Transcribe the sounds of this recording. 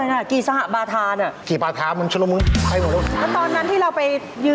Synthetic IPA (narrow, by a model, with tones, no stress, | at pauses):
jnaː˧˩kiː˨˩sa˧ha˨˩ʔbaː˧t̪ʰaː˧na˨˩kiː˨˩baː˧t̪ʰaː˧˥mɨ˧nt͡ɕʰlu˧mɯ˧˥ŋpa˧jmɔ˨˩ɾu˧˥˩lɛː˦˥t̪ɔː˧nːa˦˥nt̪ʰiː˥˩ɾa˧wpa˧j | jɯː˧